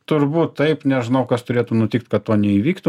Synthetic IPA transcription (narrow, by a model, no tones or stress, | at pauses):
t̪ʊrbuːt̪tːɐɪpnʲɛʒɪnɐʊkɐst̪ʊɾʲeːt̪ʊnʊt̪ʲɪkt̪kɐt̪t̪oːnʲɛiʋʲiːkt̪ʊ